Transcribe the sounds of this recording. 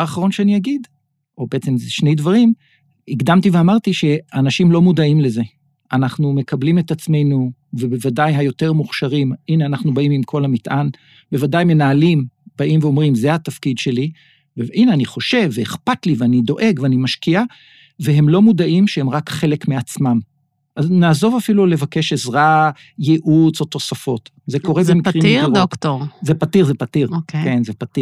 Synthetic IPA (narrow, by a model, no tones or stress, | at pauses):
aχaʁo̞nʃeaniaɡid | ʔo̞beet͡semzeʃne̞jdvaʁ̞im | iɡd̪amt̪iveamaʁt̪iʃe̞anaʃimlo̞mudaimle̞ze̞ | anaχnume̞kablime̞t̪at͡sme̞jnu | vebevadajɦajo̞teʁmuχʃaʁimʔineanaχnubaimimkʰo̞lhamitʔan | be̞vadajme̞naːlimb̥aʔimveo̞mʁimzehat̪afkidʃe̞li | beʔineaniχoʃe̞vːeeχpatliveanido̞ʔe̞ɡveanimaʃkia | veɦe̞mlo̞mudaʔimʃehemʁakχe̞le̞kmeat͡smam | ʔaznaːzo̞vafilule̞vake̞ʃezʁa | jeʔut͡soto̞safo̞t | ze̞ko̞ʁebemikʁimʁoktoʁzepatiʁzepatiʁkkenzepati